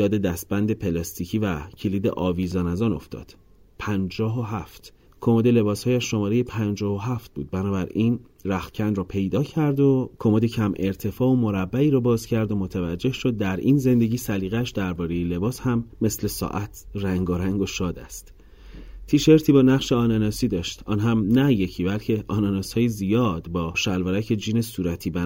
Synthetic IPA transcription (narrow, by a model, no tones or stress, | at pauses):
jɒːd̪e̞d̪æst̪̚bænd̪e̞pʰe̞lɒst̪ʰiːcʰiːvæcʰeliːd̪ḛʔɒːviːzɒːnæzɒːno̞̰ft̪ɒ̰ːd̪̥ | pʰænd͡ʒɒːɦoɦæft̪ | kʰo̞mod̪e̞le̞bɒːshɒːjæʃːo̞mɒːɾejepʰænd͡ʒɒːɦoɦæft̪̚buːd̪̚bænɒːbæɾiːn | ræxcʰænd̪ɾɒːpʰe̞jd̪ɒːcʰæɾd̪okʰomod̪ecʰæmʔe̞ɾt̪ʰe̞fɒːomo̞ɾæbːæiːɾɒːbɒːzcʰæɾd̪o̞mot̪ʰævæd͡ʒːe̞hʃo̞d̪̚ːæɾiːnze̞nd̪e̞ɟiːsæliːɣæʃd̪æɾbɒːɾe̞jele̞bɒːshæmːe̞sle̞sɒ̰ʔæt̪ʰræŋɡoɾæŋɡo̞ʃɒːd̪æ̰st̪ | t̪ʰiːʃe̞ɾt̪ʰiːbɒːnæɣʃeɒːnenɒːsiːd̪ɒːʃt̪ɒːnɦæmnæje̞cʰiːbælcʰe̞ʔɒːnɑnɒːshɒːjezijɒːd̪bɒːʃælvoɾæcʰe̞d͡ʒiːne̞suːɾæt̪ʰiːbæ